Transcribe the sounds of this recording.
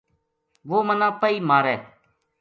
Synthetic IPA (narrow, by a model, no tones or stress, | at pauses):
ʋoːmənãːpəiːmaːɾɛː